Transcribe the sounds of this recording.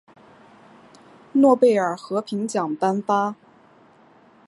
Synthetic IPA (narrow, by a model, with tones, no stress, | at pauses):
nwɔ˥˧pe˥˩ɪə˞˨˩xɤ˧˥pʰi˧˥ŋt͡ɕjɑ˨˩ŋpa˥nfa˥